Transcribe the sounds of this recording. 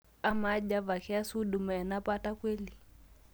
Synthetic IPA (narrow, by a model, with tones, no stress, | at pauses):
a˦ma˦ʄa˦va˨kɛ˦a˦su˦ɗu˨ma˨a˨na˦pa˦ta˦kwɛ˦li˨